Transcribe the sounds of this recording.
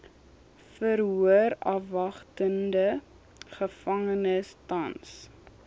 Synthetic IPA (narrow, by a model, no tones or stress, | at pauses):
fərɦuəɾɐfvɐχtəndə | χəfɐŋənəstɐns